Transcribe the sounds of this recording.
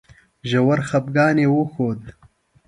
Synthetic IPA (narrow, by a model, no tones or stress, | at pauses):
ʒawɐɾxɐp̚ɡɑːnewoxoːd̪